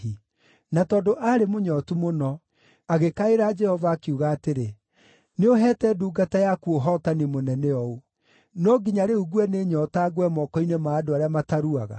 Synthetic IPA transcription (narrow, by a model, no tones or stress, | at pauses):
i | natɔːdoʔaɾemoɲɔtumonɔ | aɣekaeɾad͡ʒɛhɔvaːkeuɣaːteɾe | neoɦɛːtɛduːɡatajakuoɦɔtanemonɛnɛɔo | nɔɡiɲaɾeuɡwɛneɲɔtaɡwɛmɔkɔinemaːdoaɾeamataɾuaɣa̰